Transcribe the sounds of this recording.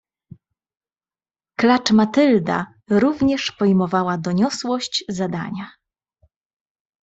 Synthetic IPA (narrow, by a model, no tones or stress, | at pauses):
klat͡ʂmat̪ɘld̪a̰ | ɾuvɲɛʂpɔjmɔvawad̪ɔɲɔswɔɕt͡ɕzad̪a̰ɲa